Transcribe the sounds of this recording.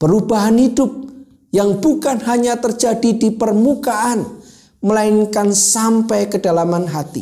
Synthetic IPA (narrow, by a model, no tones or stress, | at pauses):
b̥əɾubaɦanɦidʊp̚ | jaŋb̥ukanɦaɲat̪ərd͡ʒadidipərmukaʔan | məlaɪnkansampɛjkədalamanɦat̪ḭ